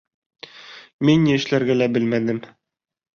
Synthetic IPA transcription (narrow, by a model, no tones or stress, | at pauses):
minjiɘ̆ʃlæɾɡælæbɘlmænɘm